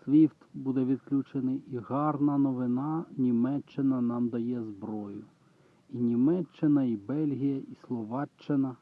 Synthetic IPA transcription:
sʲʋʲift̪bud̪ɛʋʲid̪klʲut͡ʃenɪiɦɑrnɐnɔʋɪnɑnʲimɛt͡ʃːɪnɐnɑmd̪ɐjɛzbɾɔjʊ | inʲimɛt͡ʃːɪnɐibɛlʲɦijɐʔislˠɔʋɑt͡ʃːɪnɐ

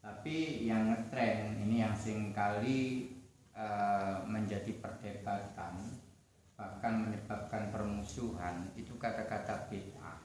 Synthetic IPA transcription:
t̪apijaŋət̪ɾɛninijaŋsɪŋkali | əməɲd͡ʒadipərd̪ebat̪an | b̥ahkanməɲəbap̚kanpərmusuɦanit̪ukat̪akat̪apit̪a̰

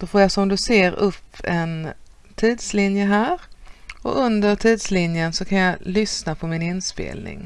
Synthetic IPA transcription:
d̪̥ɔfoːɾjasɔmd̪ɵseːɾɵpːɛn | t̪ʰiːd̪slɪnjəɦæːɾɔ̰ɵnd̪əɾʈ̪ʰiːd̪slɪnjənsɔkʰanjalʏsnapʰɔmɪnɪnspḛːlnɪ̰ŋ

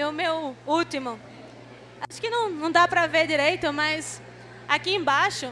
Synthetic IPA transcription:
ʊmewut̪imʊ | aʃʊ̥kɪnɐ̃w̃nɐ̃w̃d̪apɾɐveɾd͡ʒiɾejt̪ʊmɐs | akiẽbaʃʊ

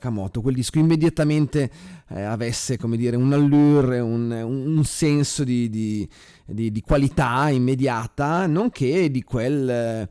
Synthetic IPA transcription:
kamɔ̰ːt̪okweld̪iskoimːed̪jat̪ament̪eavesːekomed̪iːɾeunalːyrunuunsɛnsod̪id̪i | d̪id̪ikwalit̪aimːed̪jaːt̪anoŋk̟ʰed̪ikwel

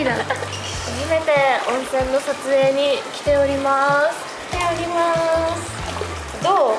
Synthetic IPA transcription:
id̪ã | aʑime̞t̪e̞õɰ̃sẽ̞nːo̞sat͡sɨe̞ːɲ̟ikʲi̥t̪e̞oɾʲimasɨ̥kʲi̥t̪e̞oɾʲimasɨ̥ | d̪oː

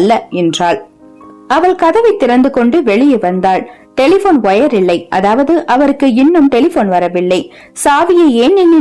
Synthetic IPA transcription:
lːɐɛndraːɭ | ɐʋɐɭkɐðɐʋɐɪt̪ːɪɾɐnd̪ɯkɔɳɖɯʋɛɭɪjɯʋɐnd̪aːɭ | ʈɛlɪfoːnʋɔjɐɾɪɭːɐɪʔɐ̰ðaːʋɐðɯʔɐʋɐɾɯkːɯɪnːɯmʈɛlɪfoːnʋɐɾɐʋɪɭːɐɪ | saːʋɪjɐeːnːɪnːɪ

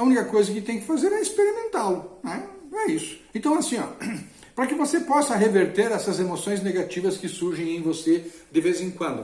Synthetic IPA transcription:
ɐũnikɐkojzɐkɪt̪ẽj̃kɪ̥fazeɾɛɪspeɾimẽnt̪alʊnɛ̃ɛisʊ̥ẽnt̪ɐ̃w̃ɐasĩɔ̰ | pɾɐkɪvosepɔsɐɦeveɾt̪eɾɛsɐzemosõj̃zneɡat͡ʃivɐskɪsuɾʒẽj̃ẽj̃vosed̪ɪvezẽkwɐ̃nd̪ʊ

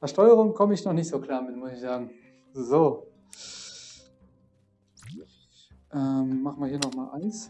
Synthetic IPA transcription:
ɛɐʃtɔʏəʁʊŋkʰɔməɪçnɔχnɪçtz̥oːkʰl̥aːɐmɪtmʊsɪçz̥aːɡŋ̩ | zoː | ʔɛːmːaχn̩viɐhiːɐnɔχmaːlʔa̰ɪns

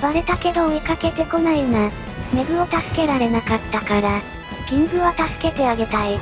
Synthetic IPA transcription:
βaɾe̞t̪ake̞d̪oːikake̞t̪e̞ko̞naina | me̞ɡɯ̟o̞t̪asɨ̥ke̞ɾaɾe̞nakat̪ːakaɾa | ɡ̥ʲĩŋɡɯ̟βat̪asɨ̥ke̞t̪e̞aɡe̞t̪ai

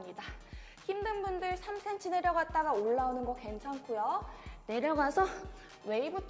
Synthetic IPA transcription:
mɲida | çimdɯnbundɯɭsʰamsʰent͡ɕʰɯne̞ɾjʌɡat̚t͈aɡaoɭːaonɯnɡʌke̞nt͡ɕʰankʰujone̞ɾjʌɡasʰʌ | we̞ibutʰ

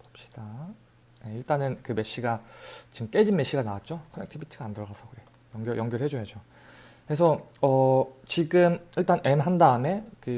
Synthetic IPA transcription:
ʌp̚ɕ͈i̥d̥a | je̞iɭt͈anɯnkɯme̞ɕ͈iɡat͡ɕiɯmk͈e̞d͡ʑinme̞ɕ͈iɡanawat̚t͡ɕ͈okʰonek̚tʰibitʰiɡaandɯɾʌɡasʰʌkɯɾe̞ | jʌŋɡjʌjʌŋɡjʌɾɭhɦe̞d͡ʑojad͡ʑo | kɯɾesʰʌʌt͡ɕiɡɯmiɭt͈anʔe̞mɦandane̞kɯ

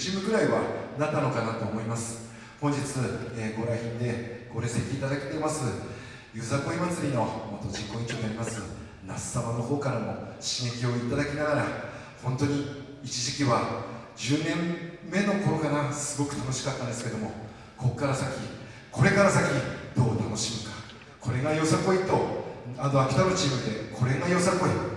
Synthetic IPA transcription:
ɕimɯ̟ɡɯ̟ɾaiβanat̪ːano̞kanat̪o̞ːmo̞imasɨ̥ | hõ̞ɲ̟d͡ʑit͡sɨeːɡo̞ɾaçʲĩnd̪e̞ɡ̥o̞ɾe̞set̪ʲeit̪ad̪ake̞t̪e̞masɨ | jɯzako̞imat͡sɨɾʲino̞mot̪ːo̞d͡ʑĩŋkːo̞ĩɲt͡ɕoːɲiaɾʲimasɨ | na̰sɨ̥samano̞ho̞ːkaɾamo̞ɕĩŋek̬ʲio̞it̪ad̪akʲinaɡaɾa | hõ̞nt̪o̞ɲ̟i | it͡ɕiʑikʲiβa | d͡ʑɨːnẽ̞mːe̞no̞ko̞ɾokanasɨɡo̞kɯ̟̥t̪ano̞ɕi̥kat̪ːãnd̪esɨ̥ke̞d̪o̞mo̞ | ko̞kːaɾasakʲi | ko̞ɾe̞kaɾasakʲid̪̥o̞ːt̪ano̞ɕimɯ̟kḁ | kʰo̞ɾe̞ɡajo̞sako̞it̪o̞ano̞akʲi̥t̪amɯ̟t͡ɕiːmɯ̟d̪e̞kʰo̞ɾe̞ŋajo̞sako̞i

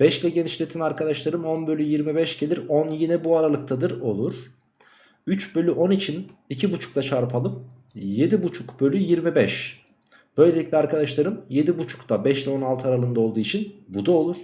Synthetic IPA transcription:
b̥ɛʃlʲɛɟe̞niʃlʲe̞t̪ʰinaɾkʰad̪aʃlˠaɾɯmo̞nbølʲyjiɾmibɛʃɟ̥e̞lʲiɾonjinɛbuaɾalˠɯk̚t̪ʰad̪ɯɾo̞lˠuɾ̥ | yt͡ʃbø̞lʲyʔo̞nit͡ʃʰinicʰibut͡ʃʰu̥klˠat͡ʃʰaɾpʰalˠɯm | je̞d̪ibut͡ʃʰukbølʲyjiɾmibɛʃ | b̥ø̞jlʲe̞lʲicʲlʲɛaɾkʰad̪aʃlˠaɾɯmje̞d̪ibut͡ʃʰu̥kt̪ʰabɛʃlʲɛo̞nalˠt̪ʰɯaɾalˠɯnd̪ao̞lˠd̪uːit͡ʃʰinbud̪ao̞lˠuɾ̥

